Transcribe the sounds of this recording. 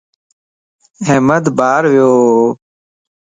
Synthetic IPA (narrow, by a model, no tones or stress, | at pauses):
ɦeːməd̪baːɾʋɪjoː